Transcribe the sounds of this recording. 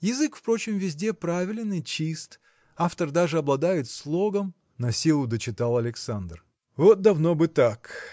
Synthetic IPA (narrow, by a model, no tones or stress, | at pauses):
jɪzɨkfpɾo̞t͡ɕɪmvʲɪzʲdʲepɾavʲɪlʲɪnɨt͡ɕist̪ | aft̪ərd̪aʐɨɐblˠɐd̪ajɪt̪slˠoɡəm | nɐsʲilˠʊd̪ət͡ɕɪt̪alˠɐlʲɪksand̪r | vot̪̚d̪ɐvno̞bɨt̪ak